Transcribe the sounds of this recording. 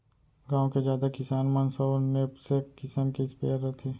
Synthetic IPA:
ɡãːõked͡ʒjaːd̪akɪsaːnmənsɔːnepsekɪsəmkispeːɾət̪ʰeː

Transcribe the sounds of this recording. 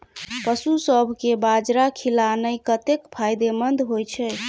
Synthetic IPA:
pəsusəbʱkebad͡ʒɾakʰilanəjkət̪ekpʰajd̪emənd̪ʱɦojt͡ʃʰɛ

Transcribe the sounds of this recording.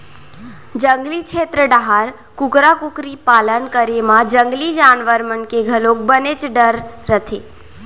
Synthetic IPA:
d͡ʒəŋɡlit͡ʃʰet̪ɾəɖaɦaɾ | kʊkɾakukɾipalənkəɾemãd͡ʒəŋɡlid͡ʒanʋəɾmənkeɡʱəlok̚bənet͡ʃɖəɾːət̪ʰe

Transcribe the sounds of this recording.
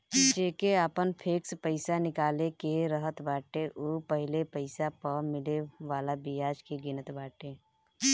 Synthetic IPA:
t͡ʃeːkeaːpənpʰeːkspəɪsanɪkaːlekeɾəɦət̪baːʈeʔupəɦɪlepəɪsapəɾmɪleʋaːlabɪjaːd͡ʒkeɡɪnət̪baːʈeː

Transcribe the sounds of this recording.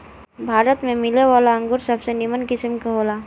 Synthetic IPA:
bʱaːɾət̪mẽmɪleʋaːlaə̃ŋɡʊɾsɐbsenɪmənkɪsəmkaɦoːlaː

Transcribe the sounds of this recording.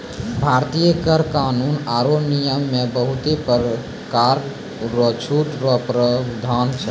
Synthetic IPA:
bʱaɾt̪ijəkəɾkanunaɾonijəmːebəɦut̪epɾ | kaɾ | ɾɔt͡ʃʰuʈɾɔpɾəd̪ʱant͡ʃʰɛ

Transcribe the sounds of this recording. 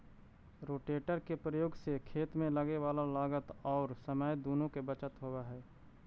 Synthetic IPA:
ɾoːʈeːʈəɾkepɾəjoːɡsekʰeːt̪mẽləɡeʋaːlalaːɡət̪ɔːɾsəməjd̪oːnõkebət͡ʃət̪ɦowaɦɛː

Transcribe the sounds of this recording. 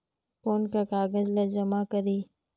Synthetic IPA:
poːnkakaːɡəzlɐd͡ʒɐmakəɾiː

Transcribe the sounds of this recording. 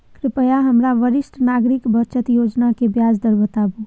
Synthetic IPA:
kɾɪpəjaɦəmɾaʋəɾɪsʈʰnaɡɾɪkbət͡ʃət̪joːd͡ʒnakebjaːd͡ʒd̪əɾbət̪abu

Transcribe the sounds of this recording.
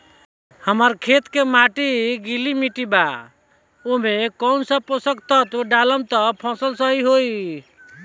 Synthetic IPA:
həməɾkʰet̪kemaʈiɡilimiʈiba | omekɔwnsə̃posəkt̪ət̪ɖaləmt̪əpʰɔ̃səlsəɦiɦoi

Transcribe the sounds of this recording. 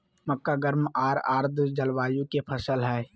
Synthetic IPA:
məkːaɡəɾmaːɾa̰ːɾd̪ʱd͡ʒəlwaːjũkepʰəsəlɦɛː

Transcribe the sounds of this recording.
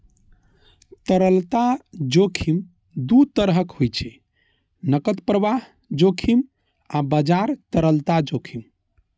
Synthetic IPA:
t̪əɾəlt̪ad͡ʒokʰim | d̪ut̪əɾɦəkhojt͡ʃʰɛ | nəkət̪pɾəʋaɦ | d͡ʒokʰim | abəd͡ʒaɾt̪əɾəlt̪ad͡ʒokʰim

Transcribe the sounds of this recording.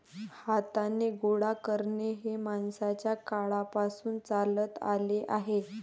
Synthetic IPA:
hat̪aneɡoɽakəɾɳeɦemansat͡ɕjakaɭapasuːnt͡salət̪a̰leʔaɦe

